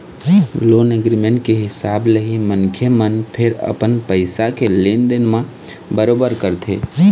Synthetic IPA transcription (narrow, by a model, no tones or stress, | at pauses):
loːneɡɾimẽɳʈkeɦɪsaːbləɦimənkʰjəmənpʰɪɾə̰pənpəɪsakelend̪ɪnmã | bəɾoːbəɾkəɾt̪ʰe